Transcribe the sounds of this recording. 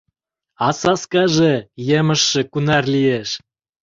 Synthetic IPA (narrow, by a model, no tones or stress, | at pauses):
ɑsɑskɑʒejemə̆ʃːĕkunɑrlieʃ